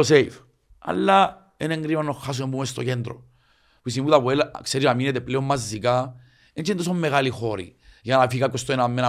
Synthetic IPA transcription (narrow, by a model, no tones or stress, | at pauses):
oseif | ɐ̰a̰lːa | eneŋɡɾimɐnːoxːas̬umembumest̪ocend̪ɾo̰ | puis̬imimut̪apuelakseɾinaminet̪epleomːazːika | ent͡ʃint̪os̬omːeɣalixoɾḭjɐnafikap̚kost̪oenamːena